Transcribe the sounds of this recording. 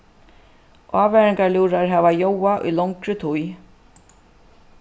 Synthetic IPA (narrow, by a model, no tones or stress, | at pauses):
ʔaːvɛɾɪŋkaljuːɾaɹɦɛːvajowaʔṵjlɔŋkɾʏt̪ʰuj